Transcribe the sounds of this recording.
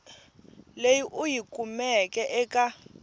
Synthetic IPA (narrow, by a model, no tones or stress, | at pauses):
lejiʔujikʼumɛkʼɛʔɛkʼa